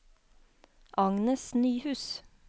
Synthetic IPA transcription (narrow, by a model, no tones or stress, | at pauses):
ʔɑŋnəsnyːhʉːs